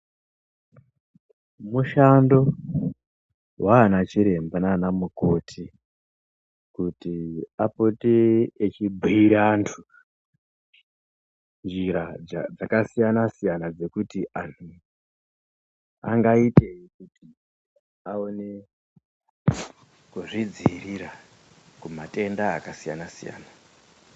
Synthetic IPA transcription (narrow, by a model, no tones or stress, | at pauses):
muʃando̞ | wʔaːnat͡ʃiɾe̞mbananamuko̞tʰi | kutiapoteet͡ʃibʱiiɾantʰu | nd͡ʒiɾad͡zakasijanasijanad͡ze̞kutiʔantʰu | a̰ŋɡaite̞ikuti | aone | kuʐid͡ziriɾa | kumatʼe̞ndaːkasija̰nasija̰ːna